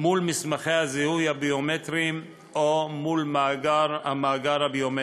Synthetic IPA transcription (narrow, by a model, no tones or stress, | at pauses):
mulmismaχejhazihujhabiometʁim | ʔomulmaɡaɾhamaːɡaɾhabiome